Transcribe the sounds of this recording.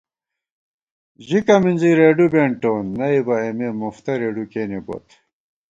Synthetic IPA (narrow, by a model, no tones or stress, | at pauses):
ʑikɐminziɾeːɖubeɳʈoːnːɐibɐememoft̪ɐɾeːɖukeːnebo̰t̪